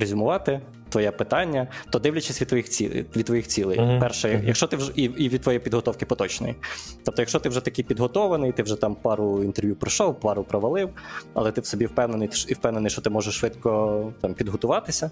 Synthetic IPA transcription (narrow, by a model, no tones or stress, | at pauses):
ɾezʲʊmʊʋɑt̪ɪ | t̪ʋɔjɛpɪt̪ɑnʲːɐt̪ɔd̪ɪwlʲɐt͡ʃɪsʲʋʲid̪t̪ʋɔjixʲḭʋʲid̪̚ʋɔjixt͡sʲilˠɪ̰jpɛrʃɛjjɐ̰kʃt͡ʃɔt̪ɪiiʋʲid̪t̪ʋɔjɛpʲid̪ɦɔt̪ɔwkɪpɔt̪ɔt͡ʃnɔ̰jḭt̪ɔp̚t̪ɔjɐkʃt͡ʃɔt̪ɪwʒɛt̪ɐkɪjpʲid̪ɦɔt̪ɔʋɐnɪjt̪ɪwʒɛt̪ɑmpɑɾʊint̪erʋʲjupɾɪʃɔwpɑɾʊpɾɔʋɐlˠɪwɐ̰lˠɛt̪ɪwsɔbʲiwpɛwnenɪjiwpɛwnenɪjʃt͡ʃɔt̪ɪmɔʒɛʃːʋɪt̪kɔt̪ɑmpʲid̪ɦɔt̪ʊʋɑt̪ɪsʲɐ